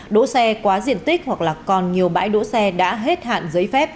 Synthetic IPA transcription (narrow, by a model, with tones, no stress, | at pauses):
ɗo̰˧˥sɛ˧kwaː˨˦zḭ˧˨ənt̪ï˦˥k̚hwa˨˩k̚laː˨˩kkɔ˨˩nɲi˨˩əwɓa̰ː˧˥jɗo̰˧˥sɛ˧ɗa̰ː˧˥ɦe˦˥t̚ha̰ː˧˨nzəː˨˦jfɛ˦˥p̚